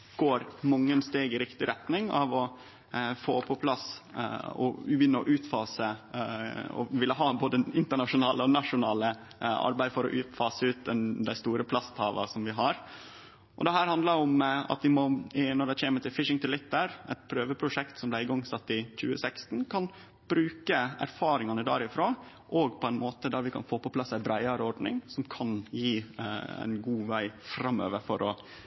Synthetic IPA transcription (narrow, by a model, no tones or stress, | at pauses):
ɡ̥oːɾmɑŋːənst̪eːɡɪɾɪkt̪ɪɾɛt̪nɪŋɑ̰ʋɔ | foːpʰɔpʰlɑs | ɔ̰jʏnːəɔ̰ʔʉːt̪fɑːsə | ɔ̰ʋɪlːəɦɑːboːd̪əɪnt̪əɳɑʂʊnɑːləɔnɑʂʊnɑːlə | ʔɑ̰ɾbæɪfɔɾɔ̰ʔʉːt̪fɑːsəʉːt̪̚d̪ɛnd̪æɪst̪uːɾəpʰlɑst̪hɑːʋɑ̰sɔmʋɪɦɑɾ | ʔɔ̰d̪ɛɦæːɾhɑnd̪ləɾɔmɑ̰t̪ʋɪmɔɪnɔɖɛc͡çeːməʈ̪ɪlfɪʂɪŋt̪ʰɪlɪt̪ːəɾʔɛ̰t̪̚pʰɾøːʋəpʰɾʊʂɛkt̪sɔmblæɪɪɡɔŋːsɑt̪ːɪc͡çʉ̰ːə̰sækst̪n̩kʰɑn | b̥ɾʉːkəæ̰ɾfɑːɾɪŋɑnəd̪ɑ̰ːɾɪfɾoː | ʔɔɡpʰɔæɪnmoːt̪əd̪æɾʋɪkʰɑ̰nfoːpɔpʰlɑsæɪbɾæɪɑɾəɔɖnɪ̰ŋsɔmkʰɑnjḭːɪnɡuːʋæɪfɾɑmːø̰ːʋəɾfɔɾʔɔ